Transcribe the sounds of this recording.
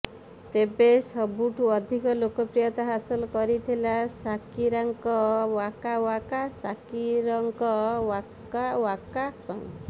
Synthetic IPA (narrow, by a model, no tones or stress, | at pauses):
t̪ebesɔbuʈʰuɔd̪ʱikɔlokɔpɾijɔt̪ɔɦasɔlɔkɔɾit̪ʰilasakiɾaŋkɔwakawakasakiɾɔŋkɔwa | awakasɔ̃ḭ̃